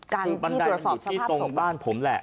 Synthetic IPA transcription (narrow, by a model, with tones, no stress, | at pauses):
kaː˧ba˧ndaː˧u˨˩t̪̚sɔː˨˩t̪ʰiː˥˩t̪o˧baː˥˩npʰo˩˦mlɛ˨˩ʔ